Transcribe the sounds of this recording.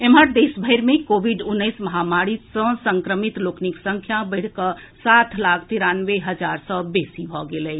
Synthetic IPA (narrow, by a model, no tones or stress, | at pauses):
eməɾd̪eːsbʱəɪɾmẽkoːʋiɖʊnːəɪsməɦamaːɾisə̃sə̃ŋkɾəmit̪loːkniksə̃ŋkʰjabəɽ̤kə | saːt̪ʰlaːkʰt̪iɾaːnʋeɦəd͡ʒaːɾsɔbeːsibʱɔɡelɛ